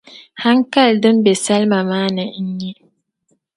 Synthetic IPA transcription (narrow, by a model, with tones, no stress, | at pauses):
ha˦ŋka˦˨ldɨ˦m˦be˨sa˦lma˨maː˦nə˨i˦ɲːi˦